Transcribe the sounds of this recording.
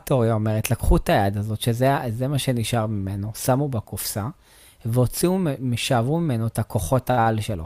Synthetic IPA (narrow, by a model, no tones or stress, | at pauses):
toʁjaome̞ʁetlakχutajad̪azo̞tʃezezemaʃe̞niʃaʁmime̞no̞samubakufsa | veot͡siumeʃavumime̞no̞etako̞χo̞taalʃe̞lo̞̰